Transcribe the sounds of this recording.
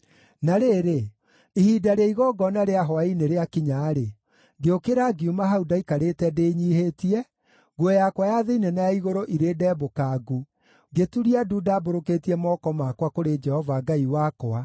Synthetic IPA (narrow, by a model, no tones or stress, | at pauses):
naɾeːɾe | ihidaɾeaiɣɔɡɔnaɾeaɦɔaineɾeakiɲaːɾe | ɡeokeɾaɡiumaɦaudaikaɾeːtɛdeɲiːhetiɛ | ɡwɛjakwajaðeinɛnajaiɣoɾoʔiɾeːdɛːbokaɡu | ɡetuɾiadudaboɾoketiɛmɔkɔmakwakoɾed͡ʒɛhɔvaɡaiwakɔa